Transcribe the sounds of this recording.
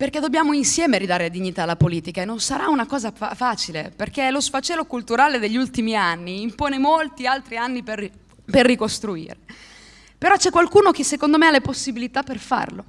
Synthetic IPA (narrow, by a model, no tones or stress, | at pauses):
perked̪objaːmoinsjɛːmeɾid̪aːɾead̪iɲːit̪aːlːapoliːt̪ikaenonsaɾaunakɔːzaafaːt͡ʃileperk̟elosfat͡ʃɛːlːokult̪uɾaːled̪eʎːult̪imianːiːmpoːnemolt̪ialt̪ɾianːiper | perːikost̪ɾuḭːɾe | peɾɔt͡ʃɛkːwalkuːnok̟esːekond̪omealːeposːibilit̪apːerfa̰rlo̰